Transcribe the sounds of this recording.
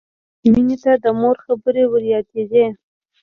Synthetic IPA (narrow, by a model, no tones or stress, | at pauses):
minet̪ad̪əmoɾxabəɾewəɾjɑt̪ed̪e